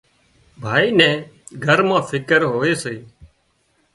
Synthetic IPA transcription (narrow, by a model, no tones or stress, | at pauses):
bʱaːiːnɛ̃ːɡʱəɾmãːfʰɪkəɾɦoːʋeːseː